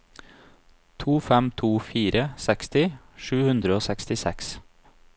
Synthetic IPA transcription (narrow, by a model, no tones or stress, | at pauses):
t̪ʰuːfɛmt̪ʰuːfiːɾəsɛkst̪ɪ | ʃʉːhʉnd̪ɾəoːsɛkst̪ɪsɛks